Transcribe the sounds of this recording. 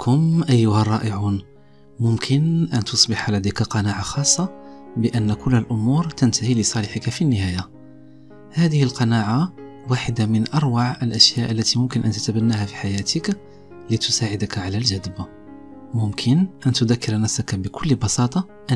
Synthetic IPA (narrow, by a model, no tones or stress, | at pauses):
kʰʊmʔæjːʊhærˤːɑʔəʕun | mʊmkʰənʔænt̪osˤbɪħalæd̪akaqɑnaʕaxɑsˤːɑbəʔənːkʊlːəlʔʊmuɾt̪ənt̪ahiləsˤɑlɪħəkafinːəhæja | hæd̪əhəlqɑnaʕa | waħəd̪amənʔɑɾˤwaʕəlʔæʃjæʔəlːæt̪imʊmkənʔænt̪ət̪æbænːahæfi̥ħajæt̪ʰək | lət̪ʊ̥saʕɪd̪akʕalælʒæd̪əb | mʊmkʰənʔænt̪ʊd̪ækːɪɾnæfsakabəkʰʊlːbɑsɑt̪ˤɑ | ʔ